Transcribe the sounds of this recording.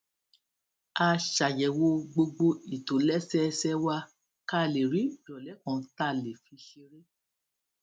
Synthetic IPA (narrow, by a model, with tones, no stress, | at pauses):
a˧ʃa˨jɛ˨wo˧ɡ͡bo˧ɡ͡bo˧i˨to˨˦lɛ˦sɛ˦˧sɛ˦wa˦ | ka˦˨le˨ɾi˨˦bɔ˨lɛ˨˦kɔ̃˨˧˦ta˦˨le˨fi˧ʃe˧ɾe˦